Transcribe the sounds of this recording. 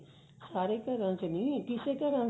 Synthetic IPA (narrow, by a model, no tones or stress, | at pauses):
saːɾeːkəɾãːt͡ʃnĩːk̪ɪseːkəɾãː